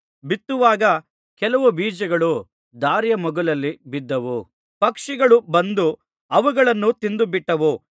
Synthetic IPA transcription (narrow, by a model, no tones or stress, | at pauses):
bit̪ːuʋaːɡɐ | kɛlɐʋubiːd͡ʒɐɡɐɭu | d̪aːɾjɐmɐɡulɐlːibid̪ːɐʋu | pɐkʂiɡɐɭubɐnd̪u | ɐʋuɡɐɭɐnːut̪ind̪ubiʈːɐʋu